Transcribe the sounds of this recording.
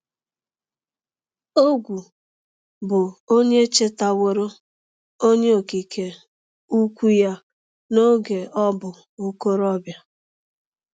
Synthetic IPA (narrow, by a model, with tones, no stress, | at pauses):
o˦ɡʷu˨ | bʊ˨o˦ɲe˦t͡ʃe˦ta˨wo˨ɾo˦ | o˦ɲe˦o˨ki˨ke˨ | u˦kʷu˦ja˦ | no˦ɡe˨ɔ˦bʊ˨ | u˦ko˦ɾɔ˦bja˦